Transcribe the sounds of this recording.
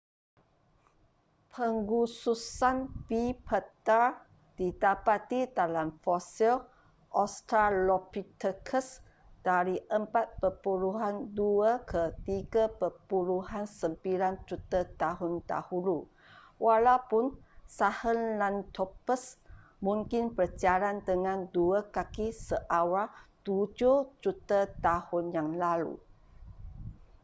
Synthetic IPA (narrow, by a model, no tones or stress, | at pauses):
pʰəŋɡususanpipʰət̪a | d̥idapat̪idalamfɔsil | ʔɔst̪alɔpit̪əkʰəs | d̥aɾiʔəmpat̪̚pəpuluɦanduakʰət̪iɡapəpuluɦansəmpiland͡ʒut̪ət̪aɦʊnt̪a̰hulu | wʔalawpʊnsahənlant̪ɔpəs | mũŋkɪnpərd͡ʒaɾant̪əŋãnduakakisəʔawat̪ud͡ʒʊhd͡ʒut̪ət̪ahʊnjaŋlalṵ